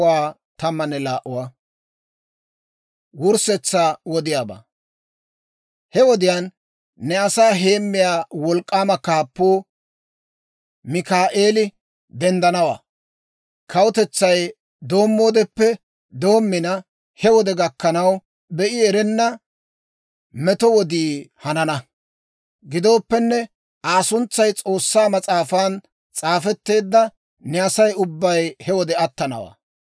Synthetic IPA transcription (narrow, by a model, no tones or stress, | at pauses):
waː | t̪ɐmːɐnːɛlaːʔʊwaː | wʊɾsɛt͡sːaːwɔd̪ɪjaːba̰ː | hɛwɔd̪ɪjaːnː | ɛɐsaːɦe̞ːmːɪjaːwɔlkʼːaːmɐkaːpːoː | mɪkaːʔe̞ːlɪ | d̪ɛnd̪ɐnɐwa̰ː | kʰɐwʊt̪ɛt͡sːɐj | d̪o̞ːmːo̞ːd̪ɛpːɛ | d̪o̞ːmːɪnɐ | hɛwɔd̪ɛɡɐkːɐnɐw | bɛʔɪɛɾɛnːɐ | mɛt̪ɔwɔd̪iːhɐnɐnɐ | ɡɪd̪o̞ːpːɛnːɛ | aːsʊnt͡sːɐjt͡sʼo̞ːsːaːmɐt͡sʼaːfaːn | t͡sʼaːfɛt̪ːe̞ːd̪ːɐ | nɛɐsɐjʊbːɐjhɛwɔd̪ɛɐt̪ːɐnɐ̰wa̰ː